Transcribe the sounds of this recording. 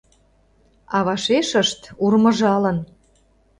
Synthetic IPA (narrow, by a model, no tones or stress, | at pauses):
ɑβɑʃeʃəʃt̪urmə̆ʒɑlən